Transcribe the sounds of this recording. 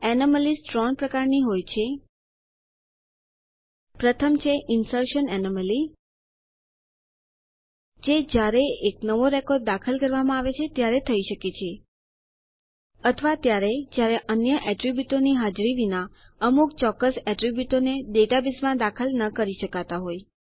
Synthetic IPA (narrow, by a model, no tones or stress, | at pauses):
ɛniməlisʈɾɔŋpɾəkaɾniɦojt͡ʃʰe | pɾət̪ʰəmt͡ʃʰeʔɪnsəɾʃənɛniməli | d͡ʒed͡ʒjaɾeeknəʋoɾɛkɔɾɖ̚d̪akʰəlkəɾʋamãaʋet͡ʃʰet̪jaɾet̪ʰəiʃəket͡ʃʰe | ət̪ʰəʋat̪jaɾed͡ʒjaɾeʔənjəʔɛʈɾibjuʈ̪oniɦad͡ʒɾiʋina | əmukt͡ʃɔkːəsɛʈɾibjuʈoned̪eʈabismãd̪akʰəlnəkəɾiʃəkat̪aɦoj